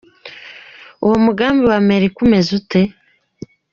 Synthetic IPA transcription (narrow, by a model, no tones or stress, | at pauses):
uwomuɡaːmbiwameɾikume̞zute̞